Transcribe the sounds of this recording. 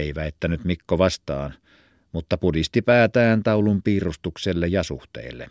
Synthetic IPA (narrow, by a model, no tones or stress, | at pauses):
iʋæet̪ːænyt̪mikːoʋɑst̪ɑːn | mut̪ːɑpudist̪ipæːt̪æːnt̪ɑulumpiːrust̪ukselːejɑsṵht̪ḛilːḛ